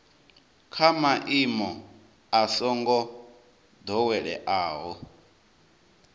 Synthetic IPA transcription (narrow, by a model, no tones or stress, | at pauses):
kʰamaʔimɔ | asɔŋɡɔ | d̪ɔwɛɺɛ̰ʔaːɦɔ